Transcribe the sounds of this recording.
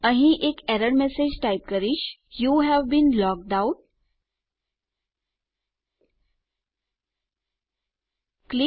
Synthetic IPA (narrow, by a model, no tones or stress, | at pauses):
ə̃ɦĩʔekɛɾəɖmɛsed͡ʒʈajp̚kəɾiʃjuɦɛʋbĩnlɔk̚ɖaʊʈ̚ | kli